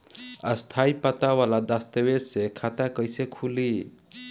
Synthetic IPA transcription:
əst̪ʰaipət̪awalad̪ast̪əbesekʰat̪akəjsekʰuli

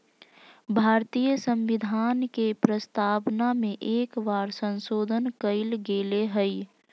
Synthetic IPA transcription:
bʱaːɾt̪iːjəsə̃mʋɪd̪ʱaːnkepɾəst̪aːʋnamẽʔeːkʋaːɾsə̃nsoːd̪ʱənkəɪlɡeleɦəi

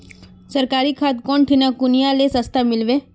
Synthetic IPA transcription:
səɾkaɾikʰat̪kɔɳʈʰinakʊnijalesəst̪ʰamɪlʋe

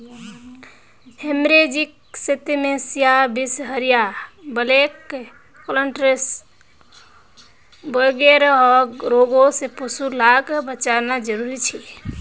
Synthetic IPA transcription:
hemɾed͡ʒik | set̪imesijabisɦəɾijabəlekː | oləɳʈɾes | bəɡeɾɦɔɡɾoɡosẽpusulakbət͡ʃaɾnad͡ʒəɾuɾit͡ʃʰi

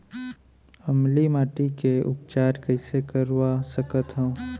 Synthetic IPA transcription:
ɐmlimaːʈikeʊp̚t͡ʃaːɾkəɪsekəɾwasəkət̪ɦõː

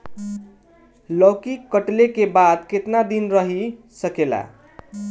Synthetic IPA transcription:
lʌkikːʌʈlekebad̪̚ket̪nad̪inɾʌɦi | sʌkela̰

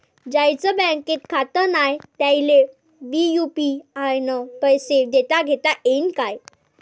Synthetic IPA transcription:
d͡ʑajt͡səbɛ̃ket̪̚kʰat̪ənajt̪ajile | bijupiajnəpəjsed̪et̪aɡʱet̪aʔenkaj

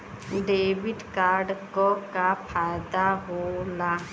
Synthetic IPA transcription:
ɖeːbiʈkaːɾɖkɔkapʰaːjd̪aɦola

